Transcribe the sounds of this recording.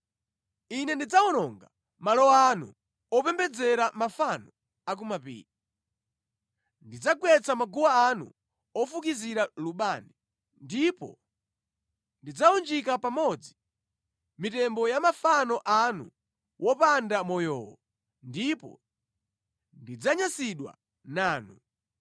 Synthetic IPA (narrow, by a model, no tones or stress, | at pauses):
inɛndid͡zaɔnɔŋɡa | malɔanṵ | ɔpɛmbɛd͡zɛɾamafanɔ | ak̬umapḭːɾi | ndid͡zaɡwɛt͡sʰamaɡuwaanṵ | ɔfukiziɾaluɓani | ndipɔ̰ | ndid͡zaund͡ʒikapamɔd͡zi | mitɛmbɔjamafanɔʔanṵ | wʔɔpandamɔjɔ̰ːwɔ | ndipɔ̰ | ndid͡zaɲasiɗwa̰ | naːnu